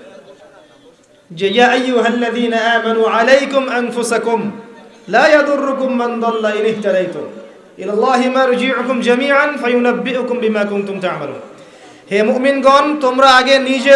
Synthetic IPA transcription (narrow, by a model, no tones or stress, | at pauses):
d͡ʒjaːʔajːʊɦalːaðiːnaʔaːmanuːʕalajkʊmʔanfʊsakʊmlaːjɑd̪ˤʊrːʊkʊmːɪnd̪ˤɑlːaʔɪnɪht̪ad̪ajt̪ʊ̰m | ʔɪlalˤːɑːɦɪmaːɾˤd͡ʒɪʕʊkʊmd͡ʒamiːʕanfajʊnabːɪʔʊkʊmbɪmaːkʊnt̪ʊmt̪aʕma̰lṵːn | hɛːmʊʔmɪnɡɔːnt̪ʊmɾɑaɡɛniːd͡ʒe